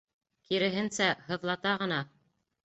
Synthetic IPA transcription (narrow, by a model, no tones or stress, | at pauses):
kiɾɘ̆ɦɘ̆nsæɦɤ̆ðlˠɑt̪ɑʁɤ̆n̪ɑ